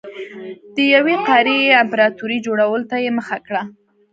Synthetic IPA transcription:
d̪̥əjaweqɑɾejeampɾɑt̪uɾid͡ʒoɽawəlot̪ajeməxakɽa

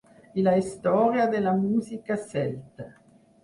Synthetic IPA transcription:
ilaist̪ɔɾjad̪elamuːzikasɛlt̪a

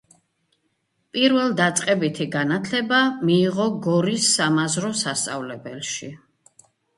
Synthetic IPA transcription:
pʼiɾvɛlˠd̪at̪sʼqʼɛbit̪ʰiɡanat̪ʰlɛbamiːʁɔɡɔɾisːamazɾɔsast̪sʼa̰vlɛbɛlˠʃi

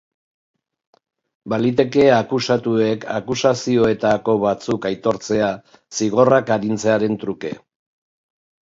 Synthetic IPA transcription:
balit̪̬e̞ke̞akusat̪ue̞kʰa̰kusasio̞e̞t̪ako̞βat͡sukajt̪o̞ɾt͡se̞a | siɣ̞o̞rakaɾint͡se̞aɾe̞nt̪ɾuke̞̰

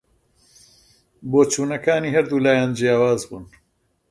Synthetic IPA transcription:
boːt͡ʃuːnɐkaːniːɦɐɾd̪uːlaːjaːnd͡ʒijaːwaːzbṵːn

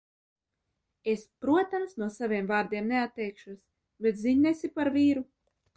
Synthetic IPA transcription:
espɾuɔt̪amsnuɔsavʲiɛmvaːɾd̪iɛmneat̪ːɛjkʃus | bet̪ziɲnesʲipaɾviːɾu

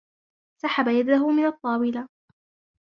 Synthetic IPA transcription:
saħabajad̪aɦʊmɪnɑt̪ˤːɑːwɪla

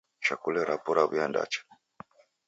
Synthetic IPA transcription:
ʃakulɛɾapuɾaβujanda̰t͡ʃḁ

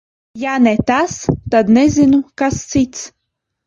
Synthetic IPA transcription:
janɛt̪ast̪ad̪nɛzʲɪnukast̪sit̪t͡s̪

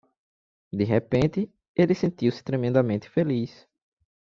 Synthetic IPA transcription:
d̪ɪɦepẽnt̪ɪ | elɪsẽnt̪iwsɪ̥t̪ɾemẽnd̪ɐmẽnt̪ɪ̥felis

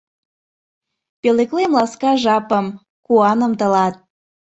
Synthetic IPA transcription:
peleklemlɑskɑʒɑpəm | kuɑnə̆mt̪ə̆lɑt̪̚

